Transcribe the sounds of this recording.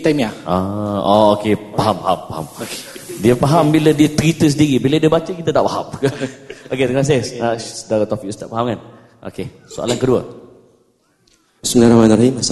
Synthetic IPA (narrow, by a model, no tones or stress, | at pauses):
t̪amiaʔaɔokepaɦampaɦampaha̰mdiəpaɦambilədiət̪əɾit̪əs̬ədiɾibiladiəbat͡ʃəkit̪at̪aʔpaɦa̰mkʔoket̪ənas̬ɪasədaɾat̪ofikust̪a̰ʔpaɦamkan | ʔo̰ke | soa̰lankəduə̰ | sunaɾamanɾaɦimas